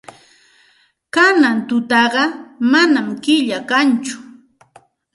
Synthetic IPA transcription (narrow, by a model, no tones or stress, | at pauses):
kanant̪ʊt̪ɑɢɑmanamkɪʎakant͡ʃʊ̥